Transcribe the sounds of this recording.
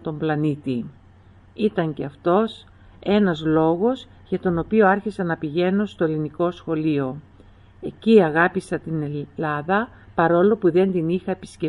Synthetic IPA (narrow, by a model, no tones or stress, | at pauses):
t̪o̞mblɐnit̪i | it̪ɐɲce̞ɐft̪o̞s | e̞nɐzlo̞ɣo̞z | ʝɐt̪o̞no̞pio̞ɐɾçisɐnɐpiʝe̞no̞st̪o̞e̞liniko̞sxo̞lio̞ | e̞ciɐɣɐpisɐt̪ine̞lɐðɐ | pɐɾo̞lo̞puðe̞nd̪inixɐepi̥sce